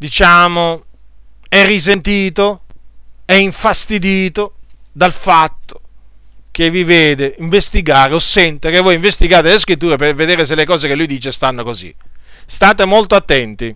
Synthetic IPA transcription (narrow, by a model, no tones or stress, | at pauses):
d̪it͡ʃaːmo | ɛrːis̬ent̪iːt̪o | ɛiɱfast̪id̪iːt̪od̪alfat̪ːo̥ | keviveːd̪eiɱvest̪iɡaːɾeosːɛnt̪ekevːɔːjiɱvest̪iɡaːt̪eleskɾit̪ːuːɾep̬erved̪eːɾes̬elːekɔːzekelːujd̪iːt͡ʃest̪anːokozḭ | st̪aːt̪emolt̪oat̪ːɛnt̪i